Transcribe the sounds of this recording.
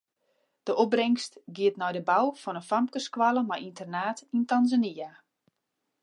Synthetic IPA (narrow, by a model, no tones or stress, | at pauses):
d̥əʔobrɛŋstɡiətnɔjdəbawfɔnənfamkəskwalˠəmajʔintərnaːtintanzania